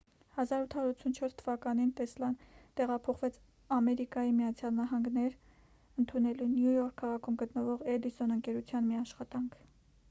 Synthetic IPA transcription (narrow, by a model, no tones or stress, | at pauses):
hɑzɑɾut̪ʰɑɔɾut͡sʰunt͡ʃʰɔɾst̪ʰəvɑkɑnint̪ɛslɑnt̪ɛʁɑpʰɔχvɛt͡sʰ | ɑmɛɾikɑjimijɑt͡sʰjɑlnɑɦɑŋɡnɛɾ | ənt̪ʰunɛlunjujɔɾkʰːɑʁɑkʰumɡət̪nəvɔʁɛlisɔnəŋkɛɾut͡sʰjɑnmiɑʃχɑt̪ɑŋkʰ